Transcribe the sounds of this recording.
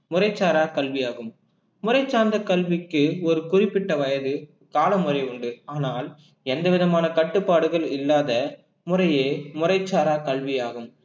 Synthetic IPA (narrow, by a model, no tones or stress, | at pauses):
mʊrɐɪt͡ʃːaːɾaːkɐlʋɪjaːɣɯm | mʊrɐɪt͡ʃːaːnd̪ɐkɐlʋɪkːɯɔɾɯkʊrɪpːɪʈːɐʋɐjɐðɯ | kaːlɐmʊrɐɪʊɳɖɯaːnaːl | ɛnd̪ɐʋɪðɐmaːnɐkɐʈːɯpːaːɽɯɣɐɭɪlːaːðɐ | mʊrɐjeːmʊrɐɪt͡ʃːaːɾaːkɐlʋɪjaːɣɯm